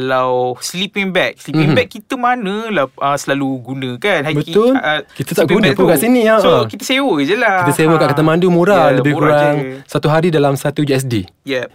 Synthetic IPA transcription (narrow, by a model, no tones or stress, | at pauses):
lawslipiŋbɛk̚sliiŋbɛkːit̪əmanə̃lahʔəsəlaluɡunə̃kanabəʊlkit̪ət̪aʔɡunə̃pkaʔsiniasʔəkit̪əsewəd͡ʒəlakit̪əsewəkaʔkət̪amãndumuɾaləbɪhkuɾaŋsat̪uɦaɾidalamsat̪ud͡ʒiɛs̬di | jɛp̚